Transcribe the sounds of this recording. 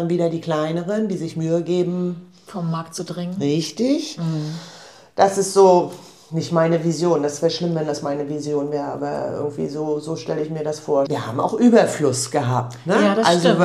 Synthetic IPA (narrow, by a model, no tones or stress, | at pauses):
anviːdɐdiːkl̥aɪnəʁənd̥iːzɪçmyːəɡeːbm̩ | fɔmːaɐktt͡sudʁɪŋənʁɪçtɪç | d̥asɪstz̥oː | nɪçtmaɪnəvizjoːndasfɛːɐʃlɪmvɛndasmaɪnəvizjoːnvɛːɐʁəʔa̰ːbɐ̰ʔɪ̰ɡŋ̩tv̥ḭːzoːzoːʃtɛləɪçmiːɐdasfoːɐviːɐha̰ːbm̩a̰ʊxʔyːbɐflʊsɡ̥əɦaːp̚tnəʔalzo